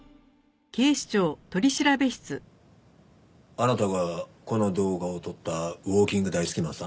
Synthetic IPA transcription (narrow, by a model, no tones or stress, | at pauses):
kʲe̞ːɕi̥t͡ɕo̞ːt̪o̞ɾʲiɕiɾabe̞ɕi̥t͡sɨ | anat̪aɡako̞no̞d̪o̞ːɡaot̪o̞t̪ːaβo̞ːkʲĩŋɡɯd̪aisɨ̥kʲimãs